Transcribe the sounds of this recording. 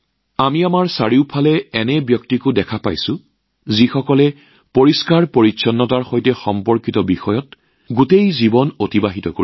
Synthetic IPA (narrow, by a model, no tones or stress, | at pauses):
amiamaɹsaɹiʊpʰalɛɛnɛbjɔktikʊdɛkʰapa̰jsʊ̃ | zixɔkɔlɛ | poɹiskaɹpoɹitːsʰɔnːɔtaɹxojtɛxɔmpɔɹkitɔbixɔjɔt̚ | ɡutejzibɔnotibaɦitɔkoɹi